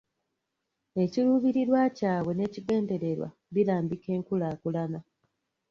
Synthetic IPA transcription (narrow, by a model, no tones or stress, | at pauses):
e̞ciluːβiɾiɾwacaːwe̞ne̞ːciɡe̞ːnde̞ɾe̞ɾwa̰ | βilaːmbike̞ːŋkulaːkulana